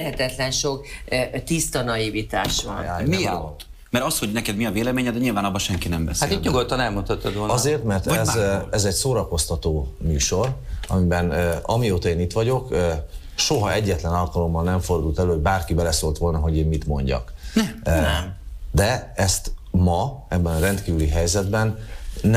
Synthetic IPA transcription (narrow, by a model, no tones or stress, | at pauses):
ɛhɛt̪ɛt̪lɛnʃokt̪ist̪ɒnɒivit̪aːʃʋɒ̰nːmia̰lː | mɛɾɒsho̞ɟnɛkɛd̪miɒveːlɛmeːɲɛd̪ɛɲilvaːnɒbːɒʃɛŋkinɛmbɛsat̪ːit̪ɲuɡot̪ːɒnɛlmunt̪ɒt̪ːɔd̪ʋolɒzeːrt̪mɛrt̪ɛzɛzɛcsoːɾɒko̞st̪ɒt̪oːmyːʃo̞rɒmibɛnɒmioːt̪ɒeːnit̪ʋɒɟo̞kː | ʃoɦɒɛɟːɛt̪lɛnɒlkɒlo̞mːɒlnɛɱfo̞rd̪uːlt̪ɛløːoɟ̚baːrkibɛlɛsoːlt̪ʋo̞lnɒɦo̞ɟeːmmit̪mo̞̰ɲɟɒ̰k | d̪ɛɛst̪mɒɛbːɛnɒɾɛnt̪kiːvyliɦɛjzɛd̪bɛnː